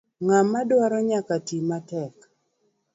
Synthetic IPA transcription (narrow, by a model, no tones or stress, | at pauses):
ŋamːadwaɾɔɲakatimatɛk